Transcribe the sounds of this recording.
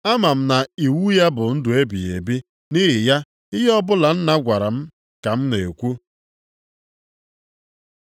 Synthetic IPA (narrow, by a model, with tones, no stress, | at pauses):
a˦ma˨m̩˦na˨i˨wu˦ja˦bʊ˨n̩˦dʊ˨e˦bi˨e˨bi˦ | nɪ˦ɦɪ˨ja˦ | ɪ˦ɦɔ˦bʊ˦la˨n̩˦na˦ɡʷa˨ɾa˨m̩˦ | ka˨m̩˦ne˨kʷu˦